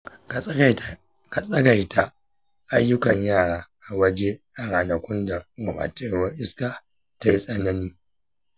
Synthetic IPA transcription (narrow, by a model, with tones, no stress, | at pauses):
ka˨sʼɐ˦ɡa˨jta˦ | ʔa˦jːʊ˦kɐ˨ɲjaː˦˨ɽaː˦ʔa˨wɐ˦d͡ʒe˦ʔa˨ɾaː˨nɐ˨kʷʊ˦nda˨ɡʊ˨ma̰ː˨tɪ˦ɾwɐ˦rʔɪ˦skaː˨ | ta˦ji˦sʼɐ˦nɐ˦niː˦